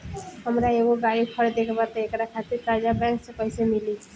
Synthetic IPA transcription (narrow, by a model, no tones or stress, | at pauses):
ɦəmɾaeboɡaɽikʰɔɽed̪ekʰebat̪eekaɾat̪ʰat̪et̪ɾad͡ʑabɛ̃ŋksekɔjsemili